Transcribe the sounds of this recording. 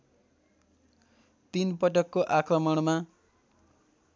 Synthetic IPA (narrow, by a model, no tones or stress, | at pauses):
t̪inpʌʈʌkːoʔakrʌmʌɽ̃ma